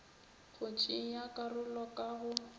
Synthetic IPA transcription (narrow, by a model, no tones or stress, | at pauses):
χʊt͡ʃʼiŋjakʼarʊlɔkʼaɣʊ